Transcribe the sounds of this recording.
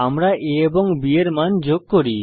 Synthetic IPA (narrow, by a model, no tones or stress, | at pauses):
amɾaʔeeboŋbieɾmand͡ʑoɡ̚koɾi